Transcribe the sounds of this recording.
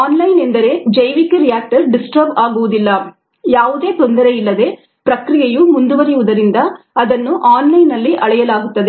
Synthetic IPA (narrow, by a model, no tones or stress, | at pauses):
aːnlɐjnend̪ɐɾe̞ːd͡ʒɐjʋikːeɾijaːk̚ʈɐɾɖisʈɐɾbaːɡuʋud̪ilːɐ | jaːʋud̪e̞ːt̪o̞nd̪ɐɾeilːɐd̪e̞ː | pɾɐkɾijejumund̪uʋɐɾijuʋud̪ɐɾind̪ɐ | ɐd̪ɐnːuʔaːnlɐjnɐlːiʔɐɭɛjɐlaːɡut̪ːɐd̪e